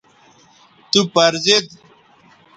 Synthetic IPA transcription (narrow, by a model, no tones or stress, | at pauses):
t̪upɐɾzed̪